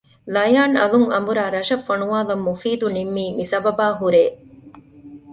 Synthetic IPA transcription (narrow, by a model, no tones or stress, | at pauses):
lɐjaːnɐluŋɐmbuɾaːɾɐʃɐfːɐnuʋaːlɐmːufiːd̪unimːiːmisɐbɐbaːɦuɾeː